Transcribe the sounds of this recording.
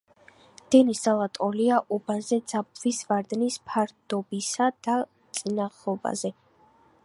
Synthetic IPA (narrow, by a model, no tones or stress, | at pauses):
d̪̥ɛniszalˠat̪ʼɔliaʔɔbazɛd̪zap̚ʼvisvaɾd̪nispʰaɾd̪ɔbisad̪̥a | t̪sʼinaʁlɔba̰zɛ